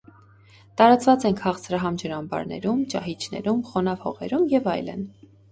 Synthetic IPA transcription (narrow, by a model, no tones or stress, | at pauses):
t̪ɑɾɑt͡svɑt͡sɛnkʰɑʁt͡sʰɾɑɦɑmd͡ʒəɾɑmbɑ̰ɾnɛ̰ɾumt͡ʃɑɦit͡ʃʰnɛ̰ɾumχɔnɑvhɔʁɛ̰ɾumjɛvɑjlə̰n